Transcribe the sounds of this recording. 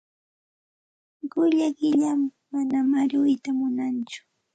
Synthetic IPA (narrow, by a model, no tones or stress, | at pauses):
ɢʊʎaɢɪʎamː | anamaɾʊjt̪amʊnant͡ʃʊ̥